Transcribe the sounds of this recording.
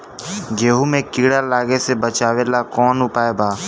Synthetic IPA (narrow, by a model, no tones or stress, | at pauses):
d͡ʒeːɦuːmẽːkiːɽaːlaːɡesebət͡ʃaːʋeːlaːkɔːnʊpaːeːbaː